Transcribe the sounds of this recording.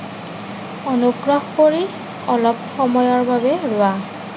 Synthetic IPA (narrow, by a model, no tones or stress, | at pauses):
ɔnuɡɹɔxkoɹi | ɔlɔp̚xɔmɔjɔɹbabɛɹʊa